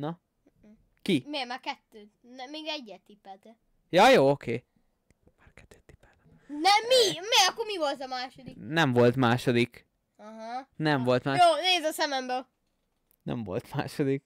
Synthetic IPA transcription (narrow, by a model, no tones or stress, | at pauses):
nɒ | kimeːrmaːkɛt̪ːøː | nɛmːeːɡɛɟːɛt̪ːipːɛt̪ɛ | jɒːjoːokʰeː | maːrkɛ̥t̪ːø̥ːt̪ːi̥pɛt̪ | nɛːimeːɒkːomivo̞lt̪ɒmaːʃod̪inɛɱvo̞lt̪maːʃod̪ik | ɒɦɐnɛɱvo̞lt̪maːjoːneːzɒsɛmɛmbøːl | nɛ̰ɱvo̰lt̪ma̰ːʃod̪ik̚